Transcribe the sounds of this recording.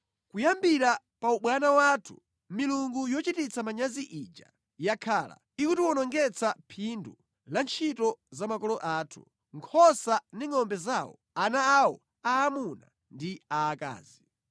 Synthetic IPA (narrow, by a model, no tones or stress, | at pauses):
kujambiɾa | pauɓwanawatʰu̥̰ | miluŋɡujɔt͡ʃitit͡sʰamaɲaziʔid͡ʒa̰ | jakʰaːla̰ | ikutiwɔnɔŋɡɛt͡sʰapʰindu | lant͡ʃʰitɔzamakɔlɔʔaːtʰu̥ | ŋkʰɔsandiŋɔmbɛzawɔ̰ | anaːwɔ̰ | aːmuna̰ | ndiaːka̰ːzi